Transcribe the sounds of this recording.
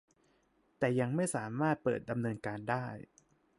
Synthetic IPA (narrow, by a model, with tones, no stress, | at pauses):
t̪ɛː˨˩ja˧ŋma˥˩jsaː˩˦maː˥˩t̪̚pɤ̰ː˨˩t̪̚da˧mnɤː˧nkaː˧ndaː˥˩j